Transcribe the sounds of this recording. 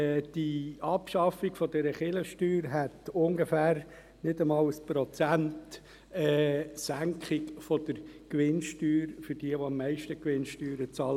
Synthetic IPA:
d̥iɑpʃɑfiɡfɔdɛɾəχɪləʃtyːɾɦɛt̪ʊŋɡefæːɾ | nɪdəmɑːləspɾɔt͡sænt | ɛːsæŋkχɪkfɔd̥̪əɾkʋɪnʃtyːɾfʏɾd̥iəʋoɑmːɛɪʃtəkʋɪnʃtyːɾət͡sɑːl

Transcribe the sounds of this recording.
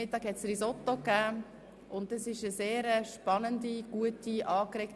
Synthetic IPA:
ɪtɑːkhɛtsrisɔtːokæː | ʊntɑsɪʃəseːɾəʃpɑnəndiɡ̥uətiʔɑːkɾɛk

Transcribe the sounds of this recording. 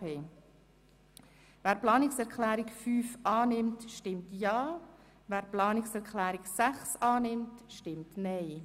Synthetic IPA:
eː | væːɾplɑːnɪksɛɾkʰlɛːɾɪkfyːfʔɑːnɪmtʃtɪmtjɑː | væːɾplɑːnɪksɛɾkʰlɛːɾɪksæχsɑːnɪmtʃtɪmtnɛɪ

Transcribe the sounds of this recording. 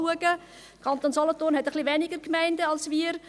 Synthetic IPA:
uəɡə | kʰɑnt̪oːnsɔlɔtoːnhɛtəχliʋɛnɪɡəɾkmæɪndəɑlsviəɾ

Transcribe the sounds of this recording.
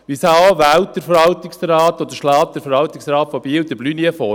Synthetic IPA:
ʋisɑːʋæwt̚dəɾfəɾʋɑlt̪ɪksɾɑːtɔd̪əʃlɑːt̚d̥̪əɾfəɾʋɑwt̪ɪksɾɑːtfɔbiːwd̪əblyniəfɔ

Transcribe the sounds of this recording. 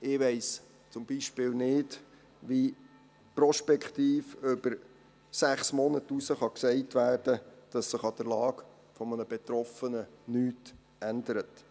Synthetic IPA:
ɪʋɛɪs | t͡sʊmbiʃpɪːlnɪd | ʋi | pɾɔʃpɛkχt̪iːføb̥əɾ | sæχsmɔnətusəχɑksɛɪtʋæːrd̥əd̥ɑsːɪχɑd̥əɾlɑːɡ | fɔmənəb̥ɛt̪ɾɔfənənyːt | ænd̥̪əɾət

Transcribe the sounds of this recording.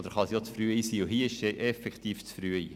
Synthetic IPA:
d̪əɾχɑsijot͡sfɾyəiːsiːʊɦiːɪʃeʔɛfɛkχt̪iːft͡sfɾyəḭː

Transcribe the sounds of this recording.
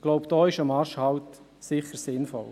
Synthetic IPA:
ɡ̥lɔʊpd̥ɔːɪʃəmɑɾʃhɑwt̪ | sɪχəɾsɪnfɔ̰l

